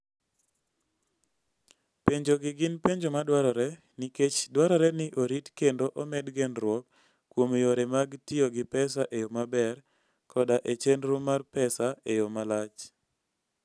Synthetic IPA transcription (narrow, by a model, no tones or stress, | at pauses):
peɲd͡ʒoɡɪɡɪnpeɲd͡ʒomadwaɾɔɾɛ | niket͡ʃdwaɾɔɾɛnɪʔoɾitkendoʔomɛdɡɛnɾwɔk | kːwomjoɾɛmaɡtɪoɡɪpɛsaʔejomabɛr | kʰɔdaʔet͡ʃenɾomarpɛsaejomalat͡ʃ